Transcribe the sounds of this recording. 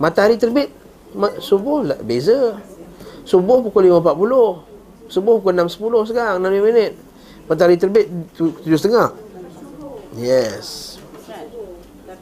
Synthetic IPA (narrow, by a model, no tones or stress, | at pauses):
mat̪aaɾit̪ərbɪt̪̚ | masubʊhla̰bezə | subʊhpukʊlimapat̪̚pulʊh | subʊhpukʊlnamsə̥pulʊhs̬əɡaŋnamimənɪt̪̚ | mat̪̬aaɾit̪ərbɪt̪̚t̪ud͡ʒʊst̪əŋaʔ | jɛs